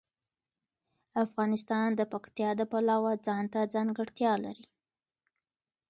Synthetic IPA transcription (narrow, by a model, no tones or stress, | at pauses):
afɣɑnɪst̪ɑnd̪əpakt̪jɑd̪əpalɑwad͡zɑnt̪ad͡zɑŋɡəɽt̪jɑla̰ɾi